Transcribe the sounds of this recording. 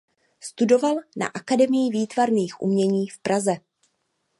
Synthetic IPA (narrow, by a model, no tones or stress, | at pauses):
st̪udo̞valna̰ʔakadɛmɪjɪviːt̪vaɾniːxʔṵmɲɛɲiːfpɾazɛ